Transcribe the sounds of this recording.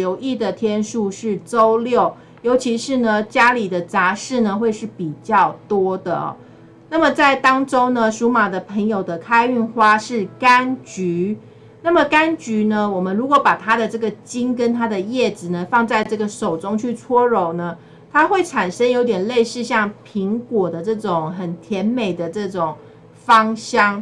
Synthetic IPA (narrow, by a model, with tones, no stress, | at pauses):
o˨˧ʊʔi˥˩d̪ə˩t̪ʰjɛ˥nʂu˥˧ʂɻ̩˥˩ʈ͡ʂo˥ʊljo˥˩ʊ | jo˧˥ʊt͡ɕʰi˧˥ʂɻ̩˥˩nə˨t͡ɕja˥li˨˩d̪ə˦t͡sa˧˥ʂɻ̩˥˩nə˩˨xwe˥˧ɪʂɻ̩˥˩pi˨˩t͡ɕjɑ˥˩ʊt̪wɔ˥d̪ə̰˨˩ɔ̰˨˩ | na˥˩mə˨t͡sa˥˩ɪt̪ɑ˥ŋʈ͡ʂo˥ʊnə˨ʂu˧˥ma˨˩d̪ə˦pʰə˧˥ŋjo˨˩ʊd̪ə˦kʰa˥ɪy˥˩nxwa˥ʂɻ̩˥˩ka˦˥nt͡ɕy˧˥˦ | na˥˩mə˩ka˥nt͡ɕy˧˥nə˧wɔ˨˩mə˦nɻu˧˥kwɔ˧˥pa˨˩t̪ʰa˥d̪ə˨ʈ͡ʂɤ˥˩ɡə˩t͡ɕi˥nkə˦nt̪ʰa˥d̪ə˨jɛ˥˩ʈ͡ʂɻ̩˨˩nə˦fɑ˥˧ŋt͡sa˥˧ɪʈ͡ʂɤ˥˩ɡə˩ʂo˨˩ʊʈ͡ʂʊ˥ŋt͡ɕʰy˥˩t͡sʰwɔ˥ɻo˧˥ʊnə˦ | t̪ʰa˥xwe˥˩ɪʈ͡ʂʰa˨˩nʂə˥njo˧˥ʊt̪̬jɛ˨˩nle˥˧ɪʂɻ̩˥˧ɕjɑ˥˩ŋpʰi˧˥ŋkwɔ˨˩d̪ə˦ʈ͡ʂɤ˥˩ʈ͡ʂʊ˨˩ŋxə˨˩nt̪ʰjɛ˧˥nme˨˩ɪd̪ə˩˦ʈ͡ʂɤ˥˩ʈ͡ʂʊ˨˩ŋ | fɑ˥ŋɕjɑ˥ŋ